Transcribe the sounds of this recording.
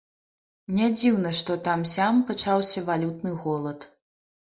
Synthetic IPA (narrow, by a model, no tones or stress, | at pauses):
nʲad͡zʲiwnɐʂt̪ɔt̪amsʲampat͡ʂawsʲɐvalʲut̪nɨɣɔlˠɐt̪